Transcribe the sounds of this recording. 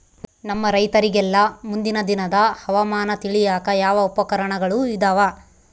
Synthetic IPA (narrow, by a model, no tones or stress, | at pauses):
nɐmːɐɾɐjt̪ɐɾiɡɛlːɐmund̪inɐd̪inɐd̪ɐhɐʋɐmaːnɐt̪iɭijaːkɐjaːʋɐupɐkɐɾɐɳɐɡɐɭuid̪ɐʋa